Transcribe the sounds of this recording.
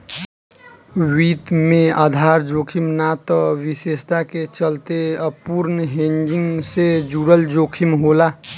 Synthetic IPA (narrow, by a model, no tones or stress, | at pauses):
wit̪mẽad̪ʱaɾd͡ʒoːkʰimnat̪ɔʋisest̪aket͡ʃəlt̪eəpuɾnəɦẽnd͡ʒiŋɡsed͡ʒuɾəld͡ʒoːkʰimɦola